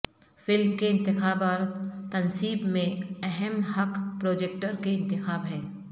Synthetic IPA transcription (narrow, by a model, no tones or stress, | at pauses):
fɪlmkeɪ̃nt̪ɪxaːbaːɾt̪ɐnsiːbmẽɛɦɛmhɐqpɾoːd͡ʒeːk̚ʈəɾkeɪ̃nt̪ɪxaːbɦɛ̃ː